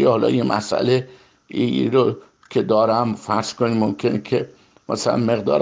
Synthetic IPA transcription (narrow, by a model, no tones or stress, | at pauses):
ehɒlɒ̰ːjemʔæ̰sʔæ̰le | iḭɾo | kʲʰed̪ɒːɾæmfæɾz̥konimomkʲʰenekʰe | mæ̰sælæ̰nme̞ɣd̪ɒ̰ːɾ